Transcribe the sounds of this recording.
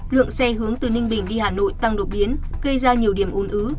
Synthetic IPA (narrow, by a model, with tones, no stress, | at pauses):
lɨ̰˧˨əŋsɛ˧ɦɨ˨˦əŋt̪ɨ˨˩nï˧ŋ̟ɓï˨˩ŋ̟ɗi˧haː˨˩no̰˧˨jt̪a˧ŋɗo˨˩t̚ɓi˨˦ənɣə˧jzaː˧ɲi˨˩əwɗi˧˩əmʔu˨˦nʔɨː˨˦